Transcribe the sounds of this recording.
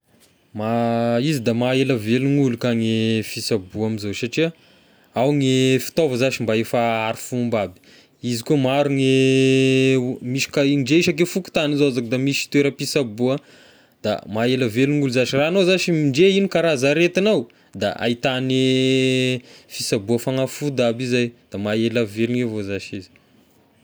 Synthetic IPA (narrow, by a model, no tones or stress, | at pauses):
maizid̪amaeləveluŋulukaŋefisabuamizosaʈ͡ʂia | awŋefi̥t̪ovəzat͡ʃimbaefaaɾifumbabi̥ | izikumaɾuŋe | miʃi̥kaiɳɖ͡ʐeiʃak̬efuku̥t̪anizoazak̚d̪amisi̥t̪weɾəpisabuə | d̪̥a̰maeləveluŋuluzaʃiraːnozaʃimiɳɖ͡ʐeinikaɾazaɾet̪inaw | d̪a̰a̰it̪ane | fisabuəfaŋafud̪abizajd̪̥amaeləveluŋevozaʃizi̥